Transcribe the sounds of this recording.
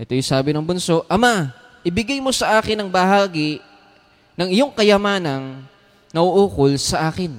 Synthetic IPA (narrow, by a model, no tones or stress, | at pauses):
ʔɛt̪ojʊsaːbɪnɐŋbʊnso̞ʔʔɐma | ʔɪbɪɡajmo̞sɐʔaːkɪnːɐŋbɐhaːɡɪ | nɐŋɪjo̞ŋkɐjɐmaːnɐŋ | nɐʔoʔoːkolsɐʔaːkɪn